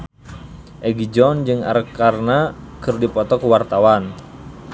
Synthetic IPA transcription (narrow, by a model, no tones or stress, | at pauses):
ʔɛɡid͡ʒɔnd͡ʒɨŋa̰rkarnakɨrdipɔt̪ɔkuwart̪awan